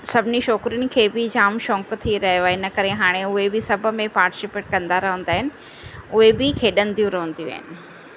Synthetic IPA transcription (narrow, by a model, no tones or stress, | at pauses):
sɐbʱɪniʃɔːkɾiɪnɪ̆kʰeːbɪd͡ʑaːmʃɔ̃ːŋkt̪ʰiɾɐɦjoɪnɐkɐɾeɦaːɽ̃eʊɦebɪsɐbʱʊ̆mẽpaːɾʈɪ̥sɪpeːʈ̚kɐ̃nd̪aɾɐɦə̃nd̪aːɦɪnɪ̆ | ʊɦebɪkʰeːɗə̃nd̪ijũɾɐɦə̃nd̪ijũa̰ːɦɪnɪ̆